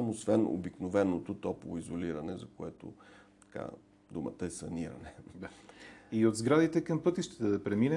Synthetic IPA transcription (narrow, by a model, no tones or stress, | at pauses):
amosvɛno̰biknovɛnot̪ot̪ɔpovoizoliɾɐnɛzɐkoɛt̪o̰ | t̪ɐ̥ka̰ | d̪umə̰t̪əɛsɐniɾɐ̰nɛd̪aiod̪zɡɾad̪it̪ɛkɐmpɤt̪iʃt̪ɛ̥t̪ɛd̪ɐpɾɛminɛ